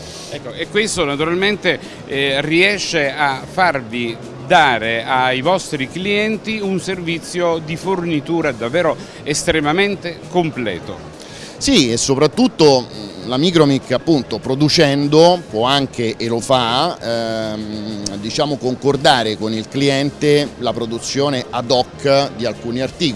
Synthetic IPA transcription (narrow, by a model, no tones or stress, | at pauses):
ɛkːoekːwest̪onat̪uɾalment̪e | riɛʃːeafːarvi | d̪aːɾeajvɔst̪ɾikliɛnt̪iunservit̪sːjod̪ifornit̪uːɾad̪avːɛːɾo | est̪ɾemament̪ekomplɛ̰ːt̪o̰ | siesːopɾat̪ːut̪ːolamiːkɾomikːapːunt̪opɾod̪ut͡ʃɛnd̪opwɔaŋk̟eʔelofa | d̪it͡ʃaːmokoŋkord̪aːɾekonilkliɛnt̪elapɾod̪ut̪sːjoːneʔad̪ɔkːd̪ialkuːniart̪iːk